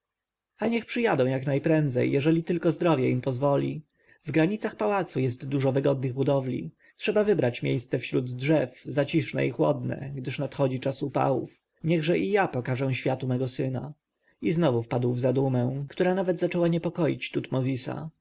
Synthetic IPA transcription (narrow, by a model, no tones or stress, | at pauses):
aɲɛxpʂɘjad̪ɔ̃w̃jaknajpɾɛnd̪zɛ̰jjɛʐɛlʲit̪ɘlkɔzd̪ɾɔvʲjɛimpɔzvɔlʲḭ | vɡɾaɲit̪saxpawat̪sujɛst̪ːuʐɔvɘɡɔd̪̚nɘɣbud̪ɔvlʲḭ | tʂɛbavɘbɾat͡ɕmʲjejst̪sɛfɕɾud̪dʐɛfzat͡ɕiʂnɛ̰ixwɔ̰d̪nɛ̰ɡd̪ɘʂnat̪xɔd͡ʑit͡ʂasupa̰wṵf | ɲɛɣʐɛʔijapɔkaʐɛ̃w̃ɕfʲjat̪umɛɡɔsɘna̰ | iznɔvufpad̪wvzad̪umɛ̃kt̪uɾanavɛd̪zat͡ʂɛwaɲɛpɔkɔjḭt͡ɕt̪ut̪mɔzʲisa̰